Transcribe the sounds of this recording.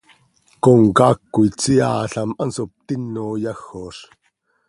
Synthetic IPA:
koŋkaːkːuit͡sia̰ːɬamʔansop̚t̪inːoːjɑxoʂ

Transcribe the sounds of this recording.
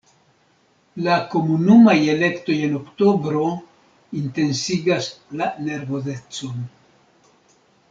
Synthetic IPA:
lako̞munumaje̞le̞kto̞je̞no̞kto̞bɾo̞ | inte̞nsiɡaslane̞ɾvo̞zet͡so̞n

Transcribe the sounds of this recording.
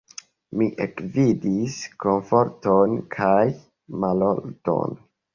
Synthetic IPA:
miʔekvidisko̞ɱfo̞ɾtonkʰaj | malolto̰n

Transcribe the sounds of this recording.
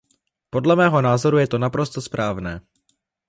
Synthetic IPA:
po̞dlɛmɛːɦo̞naːzo̞ɾujɛt̪o̞napɾo̞st̪ospɾʔaːvnɛː

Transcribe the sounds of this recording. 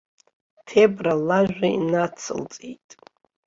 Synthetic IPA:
tʰebralaʒᶣʷaḭnat͡sʰɨ̰lt͡sʼijtʼ

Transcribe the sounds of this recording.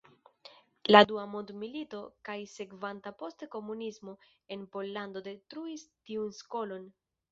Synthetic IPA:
laduamondmilito̞kajse̞kvantapo̞stko̞munizmo̞ | e̞npo̞lːando̞de̞tɾuistiunsko̞lo̞n

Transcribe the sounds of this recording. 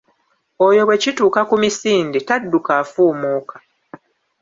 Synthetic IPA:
ojo̞βwe̞cituːkakumisiːnditadːukaːfuːmuːkḁ

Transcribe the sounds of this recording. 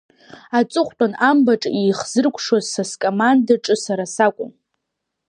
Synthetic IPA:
at͡sʼɨχʷtʼanambaʈ͡ʂʼijχzɨrkʷʰʼʂazsaskʼomandaʈ͡ʂʼɨsaɾasakʷʼʊ̰m

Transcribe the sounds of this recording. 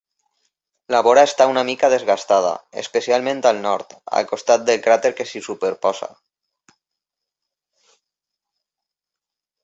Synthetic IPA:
laβoɾaest̪aunamikaðezɣast̪að̞a̰ḛspesialmẽnt̪alnɔɾt̪a̰lkost̪at̪̚d̪elkɾat̪eɾkesisupeɾpɔsa̰

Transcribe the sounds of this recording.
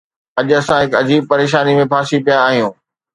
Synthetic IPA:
ɐʄʊɐsãɦɪkɐd͡ʑiːb̚pɐɾeːʃ̬aːnimẽbʰʱaːsipijaːɦijũː

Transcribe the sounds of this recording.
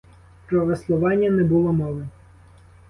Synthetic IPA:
pɾɔʋeslˠʊʋɑnʲːɐnɛbʊlˠɔmɔʋɛ

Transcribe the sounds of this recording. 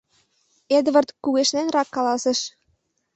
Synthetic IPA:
ed̪βɤ̆rt̪kuɣeʃnenrɑkːɑlɑseʃ

